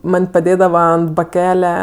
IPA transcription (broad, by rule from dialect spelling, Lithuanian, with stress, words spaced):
ˈmɐnʲ pɐˈdʲeːdɐʋɐ ɐnt bɐˈkʲæːlʲɛ